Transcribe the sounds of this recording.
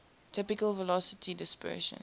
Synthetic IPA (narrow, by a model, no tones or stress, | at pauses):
tʰɪpɪkəlvəlɔsətʰidɪspɜ̰ːʃə̰̃n